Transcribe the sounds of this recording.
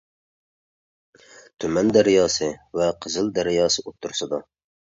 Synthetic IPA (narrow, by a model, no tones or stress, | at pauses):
t̪ʰymɛnd̪æɾjɑːsɨvɛqʰəzɨld̪æɾɪjɑːsɨot̪ʰːuɾsɨd̪ɑ